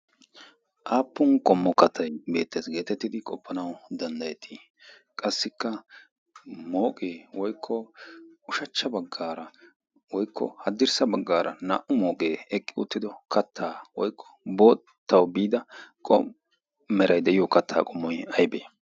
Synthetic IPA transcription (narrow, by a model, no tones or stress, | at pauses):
ʔaːpːʊŋkʼɔmːɔkɐt̪ʰːɐjbe̞̰ːt̪ːeːsɡe̞ːt̪ɛt̪ːɪd̪ɪkʼɔpːɐnɐwd̪ɐnd̪ɐjɛt̪ʰi | kʼɐsːɪkːɐ | mo̞ːkʼeːwɔjkʰːɔʊʃɐt͡ʃːɐbɐɡːaːɾɐ | wɔjkʰːɔ̰hɐd̪ːɪɾsɐbɐɡːaːɾɐna̰ːʔʊmo̞ːkʼeːɛkʼːɪʊ̰t̪ːɪd̪ɔkɐt̪ʰːaːwɔjkʰːɔ̥bo̞ː | t̪ʰːɐwbiːd̪ɐkʼɔ̰ | mːɛɾɐjd̪ɛjɪjɔkɐt̪ʰːa̰ːkʼɔmːɔjɐjbḛː